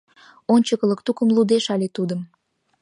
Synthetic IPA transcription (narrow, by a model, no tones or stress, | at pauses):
onʲt͡ɕəkə̆ləkt̪ukəmlud̪eʃɑlet̪ud̪əm